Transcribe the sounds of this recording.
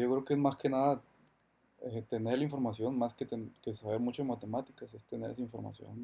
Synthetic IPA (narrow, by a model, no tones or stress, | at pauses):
okɾeokeezmaske̞naða | et̪e̞neɾlaiɱfo̞ɾmasjo̞nmasket̪ekessaβeɾmut͡ʃoemat̪e̞mat̪ikasest̪e̞ne̞ɾes̬aiɱfo̞ɾma̰sjo̞̰n